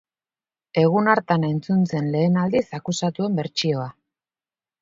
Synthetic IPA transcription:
e̞ɣ̞unaɾt̪ane̞nt͡sunt͡se̞nle̞ːnald̪isakusat̪ue̞mbe̞ɾt͡ʃio̞a

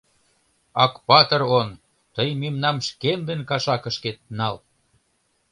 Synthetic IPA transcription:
ɑkpɑt̪ɤ̆ron | t̪əjmemnɑmʃkemd̪enkɑʃɑkə̆ʃket̪̚nɑl

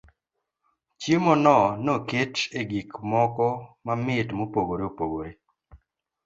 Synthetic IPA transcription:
t͡ʃjemɔnɔnoket͡ʃeɡikmɔkɔmamɪtmopoɡoɾeopoɡoɾe

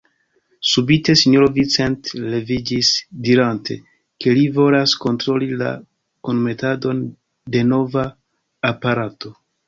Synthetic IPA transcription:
subite̞siɲoɾovit͡se̞ntle̞vid͡ʒisdiɾantʰe̞̰ | ke̞livo̞lasko̞ntɾo̞lila̰ | konme̞tado̞n | de̞no̞vaː | paɾato̞

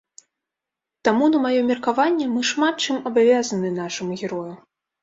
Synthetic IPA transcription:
t̪amunɐmajɔmʲɛrkavanʲːɛmɨʂmat̪̚t͡ʂɨmɐbavʲazɐnɨnaʂɨmuɣʲɛɾɔju

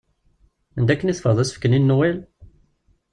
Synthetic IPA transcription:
ænd̪ækːəniθfəɾðˤæsə̥fkəninːuwæl

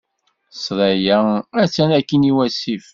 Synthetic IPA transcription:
sˤɾˤæjææt͡sːænækːiniwæsif

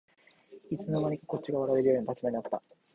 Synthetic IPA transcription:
it͡sɨnonaɾ̟ʲikako̞t͡ɕ̚t͡ɕiɡaβaɾaɾe̞ɾɯ̟jo̞ːɲnat̪at͡ɕimaɲinat̪ːa̰

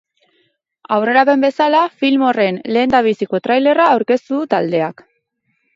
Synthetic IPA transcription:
awre̞ɾape̞mbe̞salafilmo̞re̞nle̞ːnd̪aβ̞isiko̞t̪ɾajle̞raːwɾke̞st̪uðut̪ald̪e̞ak

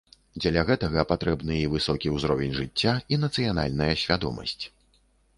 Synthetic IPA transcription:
d͡zʲɐlʲaɣɛt̪ɐɣɐpat̪ɾɛbnɨivɨsɔkʲiwzɾɔvʲenʲʐɨt͡sʲːainɐt̪sɨjana̰lʲnɐjɐsʲvʲad̪ɔ̰mɐ̰sʲt͡sʲ

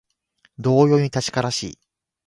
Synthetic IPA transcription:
d̪o̞ːjo̞ːɲ̟it̪at͡ɕi̥kaɾaɕḭː

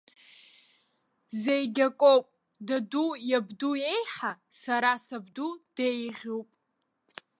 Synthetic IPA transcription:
zejɡʲakʼowpʼ | dadujabduje̞jħasaɾasabdud̥ejʁʲowpʼ

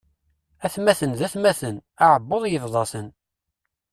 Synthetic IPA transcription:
æθmæθənðæθmæθənaʕəbːoðˤjəvðˤɑsən

